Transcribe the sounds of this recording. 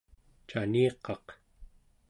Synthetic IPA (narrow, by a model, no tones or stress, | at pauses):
t͡ʃaniːqɑq